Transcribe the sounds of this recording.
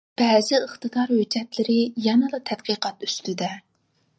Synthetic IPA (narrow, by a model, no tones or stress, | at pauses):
b̥ɛːzɪəχt̪ɨd̪ɑɾhød͡ʒɛt̪lɪɾɪjɛnɨlˠɑt̪ʰɛd̪̥̚qʰəqʰɑt̪y̥st̪yd̪ɛ